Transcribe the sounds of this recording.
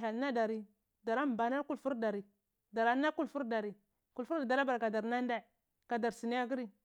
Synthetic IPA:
ɦa˨lna˦da˨ɾi˦ | da˨ɾa˦m˨ba˨na˦ku˦lfu˦ɾda˨ɾi˨ | da˨ɾa˨˦na˦ku˦lfu˦ɾda˨ɾi˨ | ku˨lfu˦da˨da˨ɾa˦ba˨ɾka˨da˨ɾna˦n˦da˦˨ | ka˨da˨ɾsi˨ni˦a˦ɡə˦ɾi˦

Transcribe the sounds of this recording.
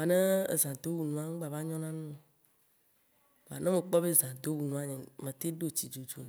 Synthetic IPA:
a˨nẽ˦e˨zã˨d̪o˦wu˨nũ˨a˦ŋ̃˦ɡ͡ba˨va˦ɲɔ̃˦nã˦nũ˦˨ | va˨nẽ˦mẽ˨k͡pɔ˦be˦zã˨d̪o˦wu˨nũ˨a˦ɲɛ̃˨mẽ˨t̪e˦ɖo˦t͡ɕi˨d͡ʒo˨d͡ʒo˨

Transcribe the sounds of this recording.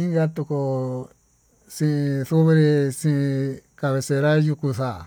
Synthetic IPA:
i˦ŋɡa˦t̪u˧ko˧ | sĩ˧ʔĩ˧θu˦βe˦ɾe˧sĩ˦ʔĩ˧ka˧βe˧se˧ɾa˦ju˧ku˧sa˨

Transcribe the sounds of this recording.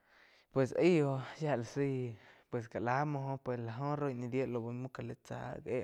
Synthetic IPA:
pwe˧˨se˦jo˧ja˦la˨si˦jpwe˨s̬ka˨la˦mõ˧ɦõ˦pwe˧˨sla˨ɦõ˦ɾo˦˧jnĩ˧d̪je˦ʔlo˧bo˧mũ˦ka˧˨le˧t͡sa̰˧˦ɡe˦

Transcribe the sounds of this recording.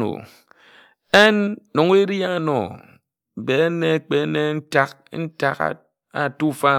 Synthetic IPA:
o̰˨ | e˦nːo˨ŋ˦e˦ɾja˦˨nɔ̰˨ | be˨˦ne˦k͡pe˨˦ne˦n̩˦ta˦k̚n̩˦ta˦k | a̰˨tu˦fa˦

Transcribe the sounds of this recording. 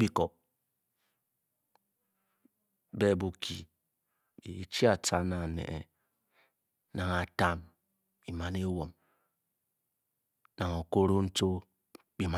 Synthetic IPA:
bi˨kɔ˨p̚ | be˦˨bu˨kʰi˨ | i˨˦t͡ʃi˦a˨ta˦na˨nḛ˨ʔḛ˨ | na˨ŋa˨ta˦m | i˨ma˦ne˦wo˨m | na˨ŋo˨ko˦ɾo˦n̩˦to˦ | bi˨ma˦

